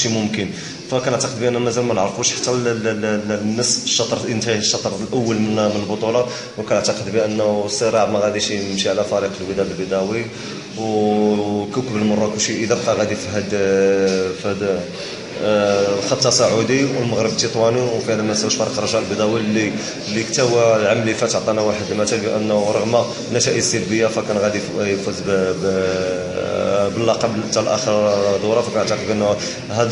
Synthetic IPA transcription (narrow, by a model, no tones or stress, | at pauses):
ʃimʊmkən | t̪ækænəʕt̪ɑqəd̪̚biʔənːæmæzælmænəʕɾfuʃħḁt̪ːælnːəsʃːɑt̪ˤɾənt̪ʃːɑt̪ˤɾˤlʔəwːəlmnmənəlbot̪ˤulɑ | wkænəʕt̪ɑqəd̪biʔənːsˤːəɾˤɑʕmæɣæd̪iʃəmʃiʕlæfæɾiqəlwəd̪æʔəlbid̪æwi | w | kəwkəbəlmɑrˤːɑkəʃiʔəd̪æbqɑɣæd̪ifiɦæd̪ | fhæd̪ | lxɑt̪ːɑsˤɑʕud̪iwəlməɣɾəbt̪it̪ˤwæniwfihæd̪æmæswʃfɑɾˤqɾˤɑʒælbd̪æwilːi | lːikt̪æwæʕamːlifæt̪ʕt̪ˤɑnawaħəd̪mæt̪ælbiʔə̰nːɾˤɑɣma | nːæʃæʔəsˤəlbəjːafækænɣæd̪ijəfuz | bəlːɑqɑbt̪ːælʔæxəɾd̪ˤuɾˤɑfækænəʕt̪əqəbʔənː | ɦæd̪